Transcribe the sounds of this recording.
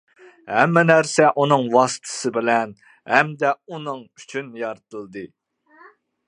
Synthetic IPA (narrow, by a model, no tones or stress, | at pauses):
hɛmːɛnæɾsɛʔunɨŋwɑsɨ̥t̪ʰɨ̥sɨbɪlɛn | ɦɛmd̪ɛunɨŋy̥t͡ʃʰynjɑɾt̪ʰɨlˠd̪ɨ